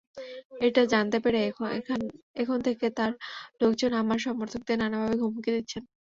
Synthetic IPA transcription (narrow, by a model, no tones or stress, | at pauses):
eʈad͡ʑant̪epeɾe | ekʰont̪ʰeket̪aɾlok̚d͡ʑonamaɾʃɔmoɾt̪ʰok̚d̪enanabʱabeɡʱumukid̪it̪ːɕʰen